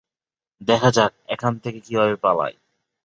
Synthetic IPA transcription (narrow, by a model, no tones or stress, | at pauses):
d̪ɛkʰad͡ʑak̚ɛkʰant̪ʰekekibʱabepala̰j